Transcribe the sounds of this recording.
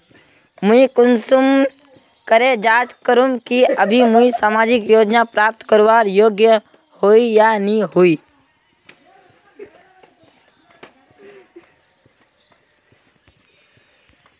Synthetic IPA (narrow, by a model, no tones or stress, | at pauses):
mʊ̃ikʊnsum | kəɾed͡ʒaːd͡ʒkəɾũmkiəbʱimuisaːmaːd͡ʒɪkjoːd͡ʒnapɾaːp̚t̪kəɾʋaːɾjoːɡjə | hoːijaniɦuiː